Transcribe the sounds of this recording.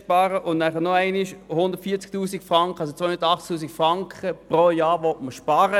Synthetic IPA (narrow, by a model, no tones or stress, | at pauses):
ʃpɑːɾəʔʊnnæχənoæɪnɪʃhʊnd̥̪ətfiːɐt͡sk̚tuːsikfʁɑŋkχəɑlsot͡sːʋoɪhʊnd̪ətɑχt͡sk̚tuːsikfʁɑŋkχəpʁojɑːʋɔtməʃpɑɾə